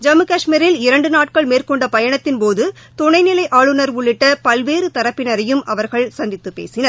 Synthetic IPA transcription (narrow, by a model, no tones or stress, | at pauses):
d͡ʒɐmɯkaːʂmiɾɪlɪɾɐɳɖɯnaːʈ̚kɐɭmeːrkɔɳɖɐpɐjɐɳɐt̪ːɪnpoːðɯ | t̪ʊɳɐɪnɪlɐɪʔaːɭɯnɐɾʊɭːɪʈːɐpɐlʋeːɾɯt̪ɐɾɐpːɪnɐɾɐjɯmʔɐʋɐɾɣɐɭsɐnd̪ɪt̪ːɯpːḛːsɪnɐɾ